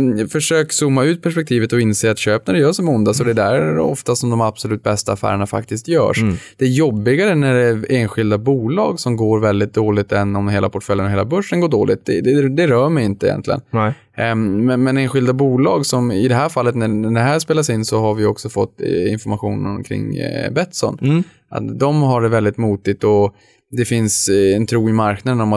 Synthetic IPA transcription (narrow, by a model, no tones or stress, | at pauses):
fœʂøːksuːmːaʉ̟ːt̪̚pʰæʂpɛk̚t̪ʰiːvət̪ɔɪnseːat̪ɕøːpnæɖɛjœːʂɔmʊnd̪asɔd̪ɛd̪æɾɔ̰ft̪asɔmd̪ɔmab̥sɔlʉ̟ːt̪̚bɛst̪aːfæ̰ːɾəɳafa̰kt̪ɪst̪jœ̰ːʂd̪̥ɛæjɔbːɪɡaɾənæɖɛeːnɧɪld̪abuːlɑ̰ːɡsɔmɡoːɾvɛld̪ɪt̪̚d̪oːlɪt̪ɛnːɔmheːla̰pʰɔʈfœljənɔɦeːlabɵʂːənɡoːɖoːlɪt̪̚d̪ɛd̪ɛd̪ɛɾœːmɛjɪnt̪əɪ̰jɛ̰nt̪lɪɡə̰n | mɛnmɛneːnɧɪld̪abuːlɑːɡsɔmɪd̪ɛɦæːɾfalːət̪nænæɖɛɦæːspeːlasɪnːsɔɦaɾvɪjɔksɔfɔt̪ːɪ̰nfɔɾmaɧṵːnə̰nkʰɾɪ̰ŋːbɛt̪ːsɔ̰n | ʔa̰t̪d̪ɔmɦaɖɛvɛld̪ɪt̪muːt̪ɪt̪ɔ | d̪ɛfɪnsɛnt̪ʰɾuːɪmaɾknad̪ənɔma